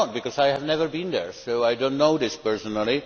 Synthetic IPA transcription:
t̚b̥ɨkɔzaɪɨvnɛvə˞bĩnðə̰˞soʊaɪdõʊ̃nːoʊðɪspɜ˞sənəl̩ˠi

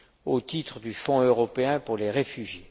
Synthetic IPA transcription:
ot̪it̪χəd̪yfɔ̃øʁɔpeɛ̃puʁleʁefyʒje

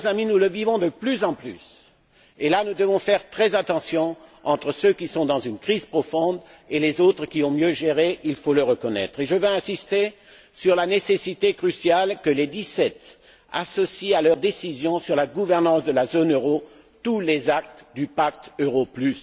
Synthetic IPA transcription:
zaminuləvivɔ̃d̪əplyzɑ̃ply̰s | elanud̪əvɔ̃fɛʁt̪χɛzat̪ɑ̃sjɔ̃ɑ̃t̪χəsøkʲisɔ̃d̪ɑ̃zynkχiz̥pχɔfɔ̃d̪ | elezot̪χəkʲiɔ̃mjøʒeʁeʔilfoləʁəkɔnɛ̰t̪χeʒəvɛɛ̃sist̪e | syʁlanesesit̪ekχysjalkəled̪isɛt̪ | a̰sɔsialœʁd̪esizjɔ̃syʁlaɡuvɛʁnɑ̃sd̪əlazonøʁo | t̪ulezak̚t̪d̪ypak̚t̪øʁoplys

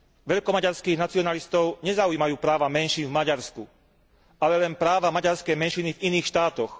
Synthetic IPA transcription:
ʋɛʎkɔmaɟaɾskiːɣnat͡siɔnalist̪ɔʊɲɛzaujiːmajuːpɾaːʋamɛnʃiːnvmaɟaɾsku | ʔalɛlɛnpɾaːʋamaɟaɾskɛjmɛnʃiniviniːxʃt̪aːt̪ɔx

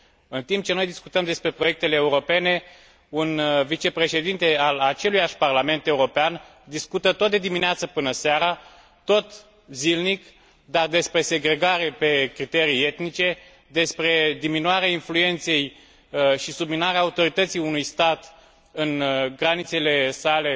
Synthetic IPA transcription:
ɨnt̪imp̚t͡ʃe̞no̞jd̪isku̥t̪əmd̪e̞spɾe̞pɾo̞je̞k̚t̪e̞leːuɾo̞pe̞ne̞ | unvit͡ʃe̞pɾe̞ʃe̞d̪int̪e̞alat͡ʃe̞lujaʃʲparlame̞nt̪e̞uɾo̞pean | d̪iskut̪ət̪o̞t̪̚d̪e̞d̪imineat̪səpɨnəseaɾa | t̪o̞t̪ | zilnik | d̪ard̪e̞spɾe̞se̞ɡɾe̞ɡaɾe̞pe̞kɾit̪e̞ɾie̞t̪nit͡ʃe̞ | d̪e̞spɾe̞d̪iminuaɾeainflue̞nt̪se̞j | ʃisubminaɾeaːut̪o̞ɾit̪ət̪sijunujst̪at̪ | ɨnɡɾanit̪se̞le̞sale̞

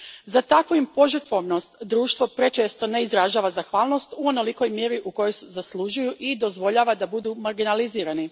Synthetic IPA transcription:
zat̪akʋoimpo̞ʒərt̪ʋoʋno̞st̪d̪ɾuːʃt̪ʋo̞pɾe̞t͡ʃeːst̪one̞izɾaʒaːʋazaxʋaːlˠno̞st̪uo̞no̞liko̞jmjeːɾiʔuko̞jo̞jsezaslˠuʒujuʔid̪o̞zʋo̞ʎaːʋad̪abud̪uːmaɾɡinaliziːɾani

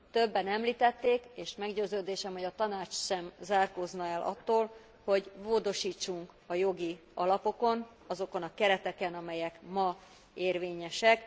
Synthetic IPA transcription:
t̪øbːɛnɛmliːt̪ɛt̪ːeːkeːʃmɛɡɟøːzøːd̪eːʃɛmho̞ɟɒt̪ɒnaːt͡ʃsɛmzaːrkoːznɒɛlʔɒ̰t̪ːoːl | ho̞ɟvoːd̪o̞ʃiːt͡ʃːuŋk | ɒjo̞ɡi | ɒlɒpo̞ko̞n | ɒzo̞ko̞nɒkɛɾɛt̪ɛkɛnɒmɛjɛkmɒ | eːrveːɲɛʃɛk

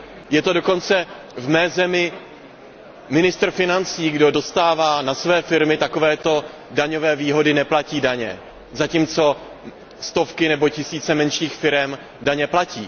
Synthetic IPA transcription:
jɛt̪o̞do̞ko̞nt͡sɛ | vmɛːzɛmɪ | mɪnɪst̪r̩fɪnant͡siːɡdo̞do̞st̪aːvaːnasvɛːfɪɾmɪt̪ako̞vɛːt̪o̞ | daɲo̞vɛːviːɦo̞dɪnɛplaciːdaɲɛ̰ | zaciːmt͡so̞ | st̪o̞fkɪnɛbo̞cɪsiːt͡sɛmɛnʃɲiːxfɪɾɛm | daɲɛplaciː

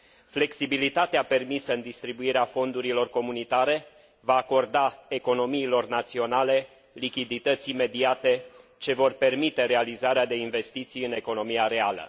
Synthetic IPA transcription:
fle̞ksibilit̪at̪eape̞rmisəɨnd̪ist̪ɾibuiɾeafo̞nd̪uɾilo̞rko̞munit̪aɾe̞ | vaːko̞rd̪ae̞ko̞no̞miːlo̞rnat̪sio̞nale̞ | likʲid̪it̪ət̪sime̞d̪iat̪e̞t͡ʃe̞vo̞rpe̞rmit̪e̞ɾe̞alizaɾead̪e̞inve̞st̪it̪sijɨne̞ko̞no̞mijaɾe̞alə̰

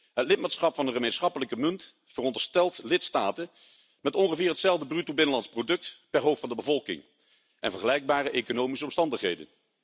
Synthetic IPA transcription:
ɦətlɪt̚maːtsχɑpfɑnəχəmejnsχɑpələkəmɵnt | fərɔndəɹstɛlˠtlɪtstaːtən | mɛtɔnχəvɪːɹɦətsɛlˠvdəbrytobɪnəlɑntsprodɵk̚tpɛɹɦowffɑndəbəvɔlˠkɪ̰ŋ | ʔɛ̰nvəɹχəlɛjɡ̚baːrəʔejkonowmisəɔmstɑndəχɦejdə̰n

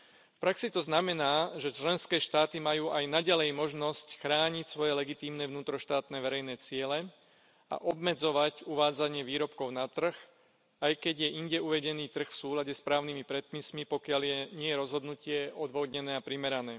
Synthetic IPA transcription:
fpɾaksit̪ɔznamɛnaːʒɛt͡ʃlɛnskɛːʃt̪aːt̪imajuːʔajnaɟalɛjmɔʒnɔscxɾaːɲicsʋɔjɛlɛɡit̪iːmnɛʋnuːt̪ɾɔʃt̪aːt̪nɛːʋɛɾɛjnɛːt͡sɪɛlɛ | a̰ʔɔbmɛd͡zɔʋacuʋaːd͡zaɲɪɛʋiːɾɔpkɔʊnat̪r̩x | ajkɛɟjɛʔiɲɟɛuʋɛɟɛniːt̪r̩xfsuːlaɟɛspɾaːʊnimipɾɛt̪̚pismipɔkɪaljɛɲɪɛjɛɾɔzɦɔd̪nucɪɛɔd̪ʋɔd̪ɲɛnɛːapɾimɛɾanɛː

